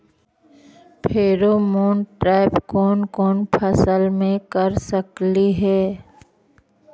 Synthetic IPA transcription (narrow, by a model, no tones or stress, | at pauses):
pʰeːɾomoːnʈɾaːɪpkɔːnkɔːnpʰɐsəlmẽkɐɾsəkliɦɛː